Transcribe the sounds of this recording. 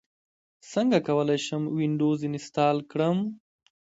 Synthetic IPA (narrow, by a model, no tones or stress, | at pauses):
səŋɡakawəlajʃəmwiɳɖoːzinɪst̪ɑːlkɽəm